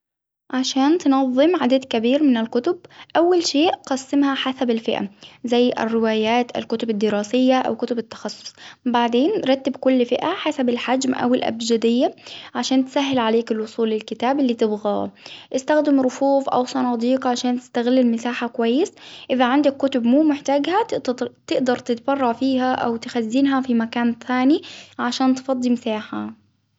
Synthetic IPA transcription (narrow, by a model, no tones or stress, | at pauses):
ʕaʃaːnt̪nɑðˤːɨmʕad̪ad̪kabiːɾmɪnɪlkʊt̪ʊb̚ʔawːalʃeːʔqɑsːɪmhaħasabɪlfɪʔa̰zajːʔɪ̰rːɪwaːjaːt̪ʔa̰lkʊt̪ʊbɪd̪ːɪɾɑːsɪjːaʔa̰wkʊt̪ʊbɪt̪ːɑ̥xɑsˤːʊ̥sˤbaʕd̪eːnɾˤɑt̪ːɪbkʊlːfɪʔaħasabɪlħad͡ʒmʔa̰wɪlʔa̰bd͡ʒad̪ɪjːaʕaʃaːnt̪saɦːɪlʕaleːkɪlwʊsˤuːlːɪlkɪt̪aːbɪlːiːt̪ɪbɣa̰ːʔɪst̪axd̪ɪmɾˤʊfuːfʔa̰wsˤɑnɑːd̪iːqʕaʃaːnt̪ɪ̥st̪aɣɪlːɪlmɪsaːħakʊwajːɪsʔɪðaʕand̪akːʊt̪ʊbmuːmɪħt̪aːɡhat̪t̪ɪʔd̪ɑɾˤt̪ɪt̪bɑrˤːɑʕfiːɦaʔa̰wt̪ɪxazːinɦafimakaːnθaːniʕaʃaːnt̪fɑd̪ˤːimɪsaːħa